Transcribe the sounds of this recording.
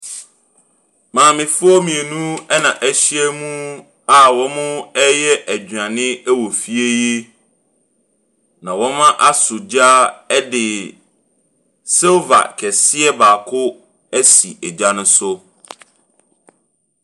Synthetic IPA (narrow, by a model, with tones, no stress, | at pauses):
mãː˨mɪ̃˨fʊ˦ɔ˦mĩ˨e˨nũ˦ɛ˦nã˨ʔæ˦ɕi˦ɛ˦mũ˦ | a˨wɔ̃˦mʊ̃˦ɛ˦jɛ˦ʔæ˨d͡ʑã˨nɪ̃˦ɛ˦wɔ˨fi˦e˦je˦ | nã˨wɔ̃˦mã˦ʔa˦sʊ˨d͡ʑa˦ɛ˦dɪ˨ | sɛ˦va̰˨kʰɛ˨sɪ˦ɛ˦baː˨kʰʊ˦ | æ˦sḭ˨ɛ˨d͡ʑa˦nʊ̃˦sʊ˦